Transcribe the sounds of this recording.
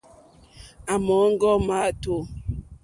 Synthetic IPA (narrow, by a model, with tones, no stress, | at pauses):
a˨mɔ˨˦ŋ̩˦ɡɔ˦ma˦to˦